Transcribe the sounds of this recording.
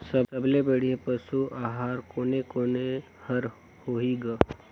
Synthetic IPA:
sɐəblebəɽ̤iepɐsuʔaːɦaːɾkoːnekoːne | hɐɾ | hoɦiɡaː

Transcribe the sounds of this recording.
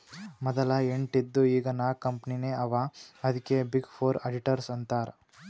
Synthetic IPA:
mɔd̪ɐlaeɳʈid̪ːuiːɡɐnaːkɐmpnineːɐʋaːɐd̪ikːebiɡpʰoːɾɐɖiʈɐɾsɐnt̪aːɾ

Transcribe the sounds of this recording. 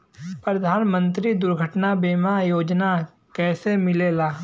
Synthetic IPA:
pɾɐd̪ʱaːnmə̃nt̪ɾid̪ʊɾɡʱəʈnabeːmajoːd͡ʒna | kɛːsemɪlelaː

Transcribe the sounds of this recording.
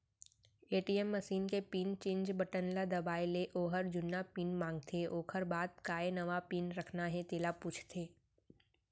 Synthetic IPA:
eːʈiːɛmːəsiːnkepiːnt͡ʃẽːɲd͡ʒbəʈənlad̪ɐbaːileʔoːɦəɾd͡ʒʊnːapiːnmãːŋɡ̚t̪ʰeʔoːkʰəɾbaːd̪̚kaːenɐʋapiːnɾɐkʰnaɦɛ̃t̪eːlapuːt͡ʃʰt̪ʰeː

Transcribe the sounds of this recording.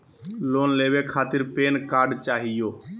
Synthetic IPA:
loːnleːʋekʰaːt̪ɪɾpeːnkaːɾɖt͡ʃaːɦɪjoː

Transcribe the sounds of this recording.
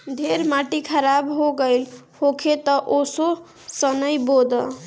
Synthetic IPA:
d̪ʱeɾmaʈikʰəɾabɦoɡʌjl | hokʰet̪ʌʔoso | sʌnʌjbod̪ʌ

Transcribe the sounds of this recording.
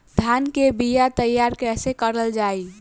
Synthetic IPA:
d̪̥ʱankebijat̪əjːaɾkɛːsekəɾəld͡ʒaːi

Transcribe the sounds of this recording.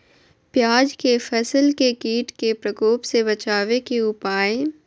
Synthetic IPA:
pjaːd͡ʒkefʰɐsəlkekiːʈkepɾɐkoːpsebɐt͡ʃaːʋekeʊpaːẽ

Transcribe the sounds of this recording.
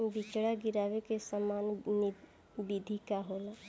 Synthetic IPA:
mbit͡ʃɽaɡiɾaːʋekesəmaːnn | bid̪ʱikaɦola

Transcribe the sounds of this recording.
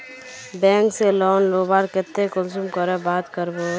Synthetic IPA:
bɛ̃ːŋkselɔːnloːbaːɾkɪt̪ːekʊlsumkəɾebaːt̪kəɾboː

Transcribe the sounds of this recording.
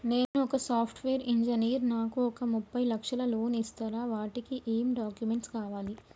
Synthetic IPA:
neːnuɔkɐsaːpʰʈʰʋeːɾiɲd͡ʒɐniːɾnaːkuɔkɐmupːɐjlɐkʂɐlɐlo̞ːnist̪aːɾaːʋaːʈikiʔeːmɖaːkjumeɳʈskaːʋaːli

